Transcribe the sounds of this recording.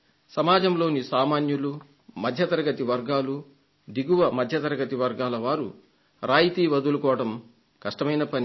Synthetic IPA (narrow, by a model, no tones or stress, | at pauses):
sɐmaːd͡ʒɐmlo̞ːnisaːmaːnjulu | mɐd̪ʱjɐt̪ɐɾɐɡɐt̪iʋɐɾɡaːlu | d̪iɡuʋɐmɐd̪ʱjɐt̪ɐɾɐɡɐt̪iʋɐɾɡaːlɐʋaːɾu | ɾaːjit̪iːʋɐd̪ulukɔːʋɐɽɐm | kɐʂʈɐmɐjnɐpɐni